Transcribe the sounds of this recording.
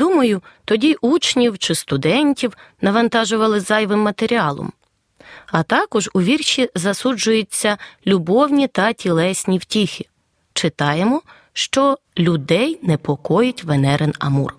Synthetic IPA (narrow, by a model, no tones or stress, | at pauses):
d̪umɐjʊt̪ɔdʲiʔut͡ʃnʲiwt͡ʃɪst̪ʊd̪ɛnʲtʲiwnɐʋɐnt̪ɑʒʊʋɐlˠɪzɑjʋɪmːɐt̪eɾʲiɑlˠɔ̰m | ɐt̪ɑkɔʒʊʋʲirʃizɐsud͡ʒʊjʊt͡sʲːɐlʲʊbɔwnʲit̪ɐtʲilˠɛsʲnʲiwtʲixʲɪ | t͡ʃɪt̪ɑjemɔ | ʃt͡ʃɔ | lʲʊd̪ɛjnɛpɔkɔjʊtʲʋenɛɾʔɪnɐ̰mṵr